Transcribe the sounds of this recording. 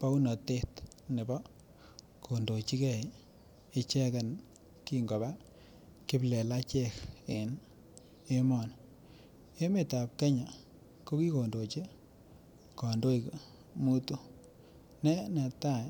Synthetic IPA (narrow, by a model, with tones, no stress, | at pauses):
pa˦u˦nɔ˨te˦t | nɪ˨bɔ˦ | kʰo˨ndo˨t͡ʃi˦kɛ˦˨i˨ | ɪ˨˦t͡ʃɛ˦ka˨n | ki˦ŋɡo˨ba˦ | kɪ˦plɛ˨la˦t͡ʃɛ˦kɪ˨n | e˦mɔ˨n | e˦me˨ta˨p̚ke˦ɲa˨ | ko˦ki˦ko˨ndo˨t͡ʃe˦ | kɔ˨ndo˦i˨k | mu˦tu˦ | nɛ˦ne˨ta˦˨